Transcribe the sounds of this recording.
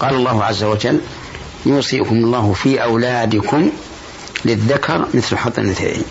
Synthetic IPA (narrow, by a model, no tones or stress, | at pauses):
qɑːlɑlˤːɑːhʊʕazːawad͡ʒalː | juːsˤiːkʊmʊlˤːɑːhʊfiːʔawlaːd̪ɪkʰʊm | lɪðːakʰɑɾˤmɪθlħɑt̪ˤːɑnat̪a̰ʔḭ